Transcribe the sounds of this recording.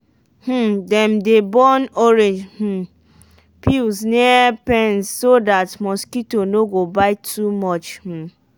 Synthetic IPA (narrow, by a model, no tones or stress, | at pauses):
h̩dɛmdebɔnoɾed͡ʒh̩ | pilsnɛpɛnsːodatmɔskitonoɡobaɪtʰumɔt͡ʃh̩